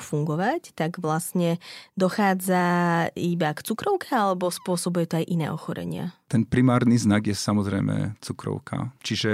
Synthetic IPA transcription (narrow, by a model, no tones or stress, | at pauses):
fuŋɡɔʋact̪aɡʋlasɲɛd̪ɔxaːd͡zaibakt͡sukɾɔʊkɛalɛbɔspʊɔsɔbujɛt̪ɔajʔinɛ̰ːʔɔxɔɾɛ̰ɲɪa̰t̪ɛnpɾimaːɾniznaɡjɛsamɔzɾɛjmɛ̰t͡sukɾɔ̰ʊkʰa̰t͡ʃiʒɛ